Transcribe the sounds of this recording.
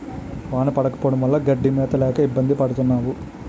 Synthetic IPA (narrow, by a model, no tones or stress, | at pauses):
ʋaːnɐpɐɽɐkɐ̥poːɽɐmʋɐlːɐɡɐɖːimɛːt̪ɐlɛːkɐibːɐnd̪ipɐɽut̪unːaːʋu